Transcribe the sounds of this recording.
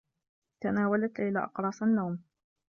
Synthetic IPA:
t̪anaːwalat̪ʔɪla̰ːʔɑqɾˤɑːsˤanːawm

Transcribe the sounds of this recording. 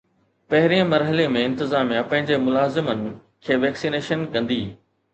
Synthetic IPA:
pɐɦɪɾiə̃mɐɾɦəlemẽɪ̃nt̪ɪzaːmijapɐ̃ɦɪ̃ɲd͡ʑemʊlaːzɪmənɪ̆ | kʰeːʋɛːksiːneːʃənkɐ̃nd̪iː

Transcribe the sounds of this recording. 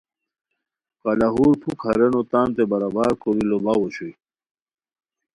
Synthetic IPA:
kalaɦuːɾpʰukʰɐɾenot̪aːnt̪ebɐɾabaːɾkoɾilobawoɕuj

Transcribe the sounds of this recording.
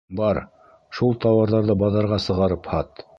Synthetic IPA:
bɑɾ | ʃulˠt̪ɑwɑɾðɑɾðɤbɑðɑɾʁɑsɤ̆ʁɑɾɤphɑt̪

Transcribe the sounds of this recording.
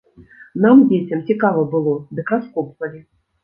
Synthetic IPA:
namd͡zʲet͡sʲɐmt͡sʲikavɐbɨlˠɔd̪ɨkɾaskɔpvɐlʲi

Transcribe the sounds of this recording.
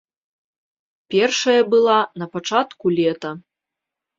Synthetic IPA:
pʲɛrʂɐjɐbɨlˠanɐpat͡ʂat̪kulʲɛt̪ɐ

